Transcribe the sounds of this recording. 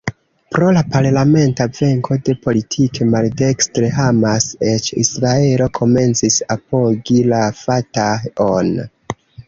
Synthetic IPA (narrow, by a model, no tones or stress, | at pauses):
pɾo̞lapaɾlame̞ntave̞ŋkʰo̞de̞po̞litʰikʰe̞malde̞kstɾe̞ɦamase̞t͡ʃḭsɾae̞lo̞kʰo̞me̞nt͡sisapo̞ɡilafataon